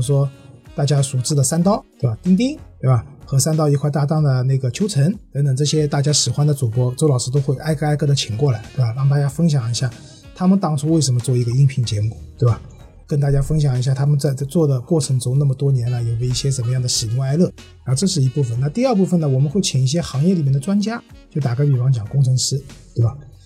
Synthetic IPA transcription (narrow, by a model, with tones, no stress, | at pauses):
ʂwɔ˥t̪a˥˩t͡ɕja˥su˨˩ʈ͡ʂɻ̩˥˩d̪ə˨˩sa˥nt̪ɑ˥˧ʊt̪we˥˩ba˨˩t̪i˥ŋt̪̬i˥ŋt̪we˥˧˩ba˨˩xɤ˧˥sa˥nt̪ɑ˥˧ʊi˧kʰwa˥˧ɪt̪a˥˧t̪ɑ˥˩ŋd̪ə˩ne˥˩ɡə˩t͡ɕʰjo˥ʊʈ͡ʂʰə˧˥nt̪ə˧˥ŋt̪ə˨˩ŋʈ͡ʂɤ˥˩ɕjɛ˥t̪a˥˩t͡ɕja˥ʂɻ̩˨˩xwa˥nd̪ə˨t͡su˨˩pwɔ˥ʈ͡ʂo˧˥lɑ˨˩ʊʂɻ̩˥t̪̬o˥ʊxwe˥˧ɪʔa˥ɪka˥˧ɪkɤ˥˩d̪ə˧˩t͡ɕʰi˨˩ŋkwɔ˥˩la˧˥ɪt̪we˥˩ɪba˨˩ɻɑ˥˧ŋt̪a˥˩t͡ɕja˥fə˥ŋɕ̬jɑ˨˩ŋi˧˥ɕja˥˩ | t̪ʰa˥mə˨nt̪ɑ˥˧ŋʈ͡ʂʰu˥we˥˩ɪʂə˧˥mə˧t͡swɔ˥˩i˧˥ɡə˧i˥ŋpʰi˧˩ŋt͡ɕjɛ˧˥mu˨˩t̪we˥˩ba˨˩ | kə˥nt̪a˥˩t͡ɕja˥fə˥ŋɕjɑ˨˩ŋi˧˥ɕja˥˩t̪ʰa˥mə˨nt͡sa˥˧ɪ˧t͡swɔ˥˩d̪ə˩kwɔ˥˩ʈ͡ʂʰɤ˧˥ŋʈ͡ʂʊ˥ŋna˥˩mə˩t̪wɔ˥njɛ˧˥nə˧˩jo˨˩we˧˥ɪi˥˩ɕjɛ˥ʈ͡ʂə˨˩nmə˧˦jɑ˥˩ŋd̪ə˩ʂɻ̩˨˩jʊ˧˥˧ŋa˥ɪlɤ˥˩ɻa˧˥xʈ͡ʂɤ˥˧ʂɻ̩˥˩i˧˥pu˥˩fə˩nna˥˧t̪i˥˧ə˞˥˧p̬u˥˩fə˨˩nə˩wɔ˨˩mə˧˦nxwe˥˩ɪt͡ɕʰɛ˨˩ŋi˥˩ɕ̬jɛ˥xɑ˧˥ŋjɛ˥˩li˨˩mjɛ˥˩nd̪ə˩ʈ͡ʂwa˥nt͡ɕja˥ | t͡ɕjo˥˩ʊt̪a˨˩ka˥ɪy˨˩wɑ˧˥ŋt͡ɕjɑ˨˩ŋkʊ˥ŋʈ͡ʂʰɤ˧˥ŋʂɻ̩˥t̪we˥˩ɪba˨˩